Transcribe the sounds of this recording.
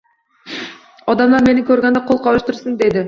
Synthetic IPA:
ɑd̪ɑmd̪ɑɾme̞nɪŋkʰøɾɡʲend̪qʰo̞lˠqʰɑlˠɯʃt̪əɾsənd̪e̞d̪ɪ

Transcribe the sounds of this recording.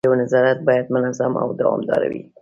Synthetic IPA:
awnazɑɾat̪̚bɑjad̪̚mənazama̰wd̪awɑ̰md̪ɑ̰ɾa̰wḭ

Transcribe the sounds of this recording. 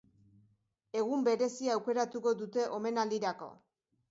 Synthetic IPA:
e̞ɣ̞umbe̞ɾe̞siaːwke̞ɾat̪uɣo̞d̪ut̪e̞ʔo̞me̞nald̪iɾako̞̰

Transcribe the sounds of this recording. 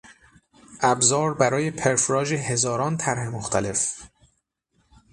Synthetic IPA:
ʔæbzɒːɾbæɾɒːje̞pʰe̞ɾfɾɒːd͡ʒeɦe̞zɒːɾɒːnt̪ʰæɾhemoxt̪ʰæle̞f

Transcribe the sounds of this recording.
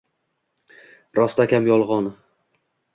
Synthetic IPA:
ɾɒst̪akʲamjɒlˠʁɒn

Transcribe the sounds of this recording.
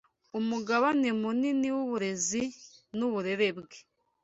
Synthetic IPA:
umuɡaβanemuniniwuβuɾe̞zinuβuɾe̞ɾe̞bɡe

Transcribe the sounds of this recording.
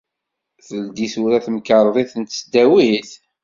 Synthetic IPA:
θəld̪iθuɾæθmkəɾˤðˤiθənt̪sd̪æwiθ

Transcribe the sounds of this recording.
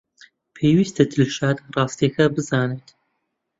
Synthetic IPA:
pʰeːwiːst̪ʰɐd̪ʰɨlʃaːd̪rɑːst̪ekɐbɨzaːnet̪

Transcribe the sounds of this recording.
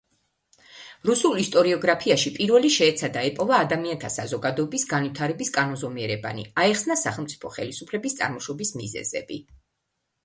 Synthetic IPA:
ɾusulˠist̪ʼɔɾiɔɡɾapʰiaʃipʼiɾvɛliʃɛːt̪sʰad̪aɛpʼɔvaːd̪amiant̪ʰasazɔɡad̪ɔɛbisɡanvit̪ʰaɾɛbiskʼanɔnzɔmiɛɾɛba̰nḭaɛχsnasaχɛlˠmt̪sʼi̥pʰɔχɛlisupʰlɛbist̪sʼa̰ɾmɔʃɔbismḭzɛ̰zɛ̰bi

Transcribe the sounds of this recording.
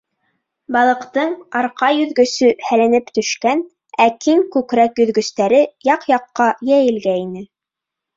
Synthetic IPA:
bɑlˠɤ̆qt̪ɤɴɑɾqɑjɵ̆ðɡɵ̆sɵhælænɘpt̪ɵ̆ʃkæn | ækiŋkʉkɾækjɵ̆ðɡɵ̆st̪æɾɘjɑqjɑqːɑjæjɘ̆lɡæinɘ

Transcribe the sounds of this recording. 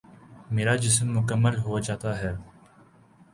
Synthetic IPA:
meːɾad͡ʒɪsmːʊkəmːəlɦod͡ʒaːt̪aɦɛː

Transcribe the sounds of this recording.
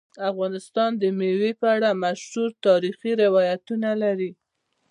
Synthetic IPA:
afɣɑnɪst̪ɑnd̪əmewepəaɽamaʃhuɾt̪ɑɾixiɾɪwɑjat̪unalaɾi

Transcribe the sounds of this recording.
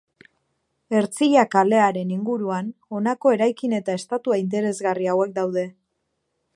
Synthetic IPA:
e̞ɾt͡siʎakale̞aɾe̞niŋɡuɾuano̞nako̞e̞ɾajkine̞t̪ae̞st̪at̪uaint̪̬e̞ɾe̞zɣariawe̞k̚d̪awðe̞

